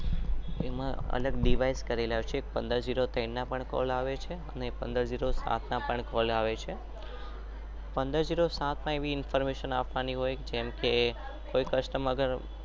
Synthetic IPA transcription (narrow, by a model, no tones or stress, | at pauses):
emã̰ə̰ləɡɖiʋaijskəɾilaɦot͡ʃʰeːk̚pə̃nd̪əɾd͡ʒiɾot̪ənnapəɳkɔ̰laʋet͡ʃʰeənepənd̪əɾd͡ʒiɾosa̰t̪ʰnapəɳkɔlaʋet͡ʃʰe | pənd̪əɾd͡ʒiɾosat̪ʰmãeʋiɪnfəɾmeʃənapʰʋaniɦojd͡ʒemke | koikəʃʈəməɡəɾ